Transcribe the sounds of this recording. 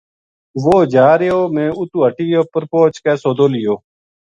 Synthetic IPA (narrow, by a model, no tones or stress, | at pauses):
ʋoːd͡ʒaːɾejoːmẽːʊt̪uːɦəʈiːjoːpəɾpoːt͡ʃkɛːsoːd̪oːlɪjoː